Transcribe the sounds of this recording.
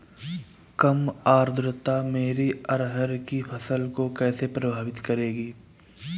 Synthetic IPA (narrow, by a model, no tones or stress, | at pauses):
kɐmaːɾd̪ɾɪt̪ameːɾiɐɾɦəɾkipʰɐsəlkokɛːsepɾɐbʱaːʋɪt̪kɐɾeːɡiː